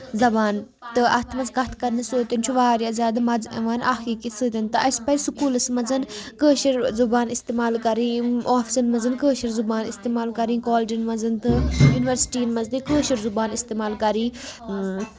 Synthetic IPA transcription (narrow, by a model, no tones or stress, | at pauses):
zɐbaːn | t̪ɨʔɐ̰t̪ʰmɐnzkɐt̪ʰkɐɾnisoːt̪int͡ʃʰuʋaːɾjaːzʲaːd̪mɐd͡zɐ̰ʋaːnʔaːxiːkisɨt̪ʲɐnt̪ɨɐspɐjsukuːlɐsmɐzɐnkəːʃɐɾzubaːnist̪eːmaːlkɐɾĩːaːfʰi̥sɐnmɐzɐnkəːʃɐɾzubaːnist̪eːmaːlkɐɾĩːkoːld͡ʒinmɐzɐnt̪ɨjuːniʋɐɾsi̥ʈiːnmɐzd̪ikəːʃɐɾzubaːnist̪eːmaːlkɐɾĩː